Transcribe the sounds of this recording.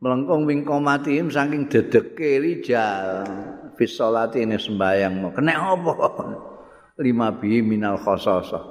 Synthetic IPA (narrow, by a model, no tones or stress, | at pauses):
mələŋkʊŋwiŋkɔmat̪imsaŋkɪŋd̪̥ə̤d̪̥ə̤kːelid̥ʒ̥a | fisɔlat̪inesəmbajaŋmɔkənɛʔɔpɔ | limab̥iminalxɔsɔsɔ̰